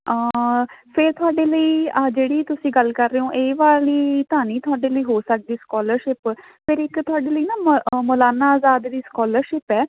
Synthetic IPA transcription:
əpʰɪɾt̪ʰʊaːɖeːləiːəd͡ʒeːɽiːt̪ʊsĩːɡəlkəɾːeːõːʔeːʋaːliːt̪ãːniːt̪ʰʊaːɖeːləiːɦoːsək̚d̪iːskɔːləɾʃɪp | pʰɪɾɪkt̪ʰʊaːɖeːləiːnãːmmoːlaːnaaːzaːd̪d̪iːskɔːləɾʃɪpɛː

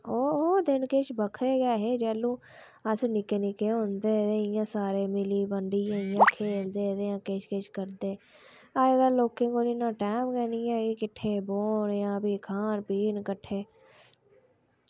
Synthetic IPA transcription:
oːd̪ɪnket͡ʃbəkʰɾeːɡɛːɦeːd͡ʒɛːlũː | əsnɪkeːnɪkeːɦõnd̪eːt̪eːɪjãːsaːɾeːmɪliːbəɳɖijãːɪjãːkʰeːld̪eːt̪eːjãːket͡ʃkeːt͡ʃkəɾd̪eː | aɡəɾloːkẽːkoːniːnãːʈɛːmkɛːniːɛːɡikɪʈʰeːboːɳjãːbiːkʰaːnpiːɳkəʈʰːeː

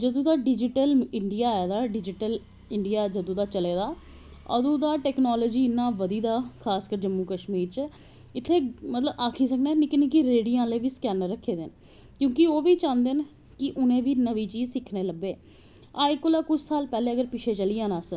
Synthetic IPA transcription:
d͡ʒəd̪õːd̪aːɖɪd͡ʒɪʈəlɪɳɖijaːaːd̪aːɖɪd͡ʒɪʈəl | ɪɳɖɪjaːd͡ʒəd̪õːd̪aːt͡ʃəleːd̪aː | ə̰d̪õːd̪aːʈɛːknaːloːd͡ʒiːɪnːãːʋəd̪iːd̪aːkʰaːskəɾd͡ʒəmːuːkəʃmiːɾt͡ʃə | ɪt̪ʰːeːmət̪ləbaːkʰiːs̬əknɛːnikɪnĩːkɪɾeːɽijãːleːʋiːskɛːnəɾːəkʰːeːd̪en | kjõːkɪoːʋiːt͡ʃãːnd̪en | kɪʔʊnẽːʋiːnəʋiːt͡ʃiːzsɪkʰneːləbːeː | aːɪkːʊːlaːkʊt͡ʃʰsaːlpɛːleːəɡəɾpɪt͡ʃʰeːt͡ʃəliːãːnaːsə

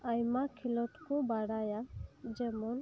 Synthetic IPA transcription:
ajmakʰilɔʈkɔ̃baɽajad͡ʒɛmɔn

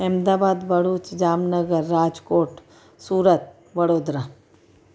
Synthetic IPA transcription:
ɛːmd̪aːbaːd̪bʱəɽuːt͡ʃd͡ʒaːmnəɡəɾːaːd͡ʒkoːʈ | suːɾət̪̚ | ʋɐɽoːd̪ɾaː

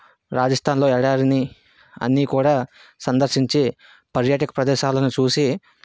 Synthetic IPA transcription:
ɾaːd͡ʒɐst̪ʰaːnlo̞ːɛɽaːɾɐni | ɐ̰nːiːkuːɽaːsɐnd̪ɐɾʃiɲt͡ʃi | pɐɾjaːʈɐkɐ̥pɾɐd̪ɛːʃaːlɐnut͡ʃuːsi

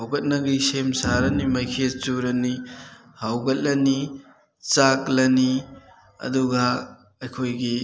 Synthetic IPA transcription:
hawɡɐt̚nɐɡisemsaɾɐnimɐjkʰet͡ʃuɾɐni | hawɡɐt̚lɐni | t͡ʃaklɐni | ɐ̰duɡɐ | ɐjkʰojɡi

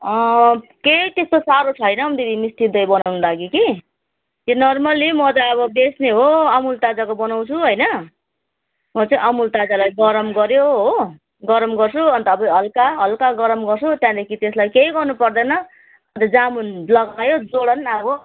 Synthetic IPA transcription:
ʌkejt̪est̪osaɾot͡sʰʌjnʌmd̪id̪ʱimisʈ̪id̪ʌjbʌnawnulaɡiki | jonʌrmʌlimʌt̪ʌʌβʌbesneɦoʌmult̪ad͡zakobʌnaw̃t͡sʰuɦojnʌ | mʌt͡sʌĩʔʌmult̪ad͡zalajɡʌɾʌmɡʌɾjoɦo | ɡʌɾʌmɡʌrt͡sʰuʌnt̪ʌbʌɦʌlkaɦʌlkaɡʌɾʌmɡʌrt͡sʰut̪jãd̪ʌkʰit̪eslajkejɡʌrnupʌrd̪ʌnʌ | ʌt̪ʌd͡zamunlʌɡajod͡zoɽʌnʌbʌ

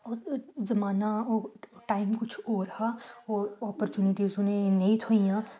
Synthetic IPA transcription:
ɔzɐmaːnaoʈaːɪmkʊt͡ʃʰoːɾɐhaɔːɔːpəɾt͡ʃuːnɪʈizʊnẽneit̪ʰoijãː

